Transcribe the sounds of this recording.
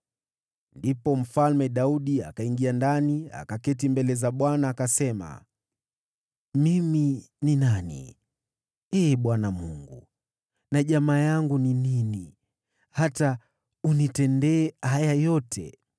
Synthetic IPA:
ndipɔm̩falmɛɗauɗia̰kaiŋɡiandania̰kakɛtimbɛlɛzaɓwanaːkasɛma̰ | mimi | ninanḭ | ɛːɓwanamuŋɡṵ | naʄamaːjaŋɡuninini | hata | unitɛndɛːajajɔtʰɛ̰

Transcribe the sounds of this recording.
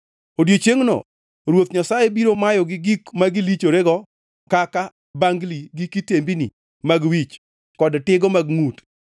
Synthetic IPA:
odjot͡ʃeŋnɔ̰ | ɾwot̪ɲasajebiɾomajɔɡɪɡikmaɡɪlit͡ʃoɾeɡɔ | kaka | baŋɡliɡɪkitembini | maɡwit͡ʃ | kɔdtɪɡɔmaɡŋut

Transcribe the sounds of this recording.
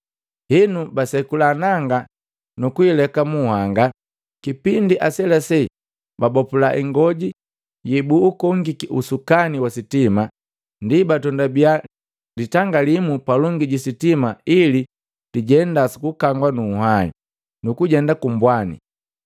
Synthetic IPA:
hinubasɛkulaːnaŋɡa | nukuilɛkamuːhaŋɡa | kipindiʔasɛlasɛ | babɔpulaʔḭŋɡɔɟi | jibuːkɔŋɡikiusukaniwasitima | ndibatɔndabia | ditaŋɡalimupalɔŋɡiɟisitimaili | diɟɛndasi̥kukaŋɡwanuːhaḭ | nukuɟɛndakumbwanḭ

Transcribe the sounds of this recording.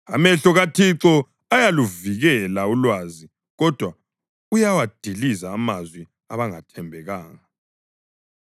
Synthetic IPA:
amɛɬɔɣatʰiǀɔ | ajaluviɣɛlaulwaːzi | ɣɔd̥ʱwa | ujawad̥ʱilizaːmazwi | aβaŋatʰɛmbʱɛɣaːŋa

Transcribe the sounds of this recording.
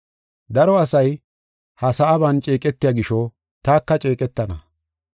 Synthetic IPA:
d̪ɐɾɔɐsɐj | hɐsɐːbɐnt͡ʃʼe̞ːkʼɛt̪ːɪjaːɡɪʃɔ | t̪aːkːɐt͡ʃʼeːkʼɛt̪ːɐnɐ̰

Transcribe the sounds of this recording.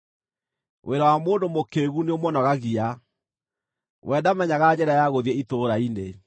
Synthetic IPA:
wʔeɾawamoːndomokeɣuneomɔnɔɣaɣia | wʔɛðamɛɲaɣad͡ʑɛɾajaɣoðiɛitoɾaine

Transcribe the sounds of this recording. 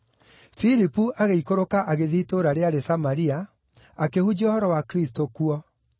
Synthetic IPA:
filipuʔaɣeikoɾokaʔaɣeðitoɾaɾeaɾesamaɾia | akehud͡ʑiɔhɔɾɔwakɾistokuɔ

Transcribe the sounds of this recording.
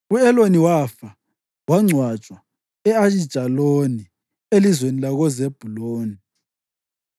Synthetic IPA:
uɛloniwafa | waŋ͡ǀʱwḁt͡ʃʼwa | ɛaʃid̥ʒ̥ʱaloni | elizwenilaɣɔzeb̥ʱuloːni

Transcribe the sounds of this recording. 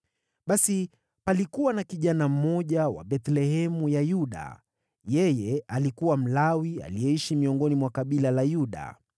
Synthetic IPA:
ɓasi | palikuwanakiʄanam̩mɔʄawa̰ɓɛt̪lɛhɛmujajuɗa̰ | jɛjɛalikuwam̩lawia̰lijɛiʃimiɔŋɡɔnimwakaɓilalajuɗa̰

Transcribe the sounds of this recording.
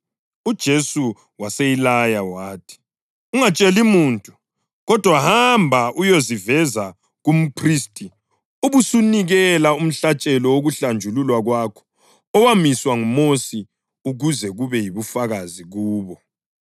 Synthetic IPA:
ud̥ʒ̥ʱesu | waseilajawaːtʰi̥ | uŋat͡ʃʼelimuːntʼu | ɣɔd̥ʱwahambʱaʔujozivɛza | ɣum̩pʰristʼi | uβusuniɣɛlaum̩ɬat͡ʃʼɛlɔwoɣuɬand͡ʒʱululwaɣwakʰɔ̥ | ɔwamiswaŋumosi | uɣuzɛɣuβɛjiβufaɣaziɣuːβɔ

